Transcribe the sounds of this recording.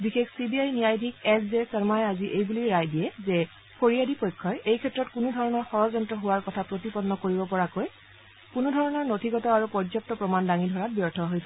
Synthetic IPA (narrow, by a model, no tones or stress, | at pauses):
bixekʰsibiajnijajdʱikɛszɛsɛɹmajaziʔejbuliɹajdijɛzɛ | pʰoɹijadipojkʰːɔjʔejkʰɛtːɹɔtkunudʱɔɹɔnɔɹxɔɹɔzɔntɹɔɦʊwaɹkɔtʰapɹotipɔnːɔkoɹibɔpɔɹakoj | kunudʱɔɹɔnɔɹnotʰiɡɔtɔaɹupɔɹzɔp̚tɔpɹɔmandaŋidʱɔɹat̚bjɔɹtʰɔɦojtʰ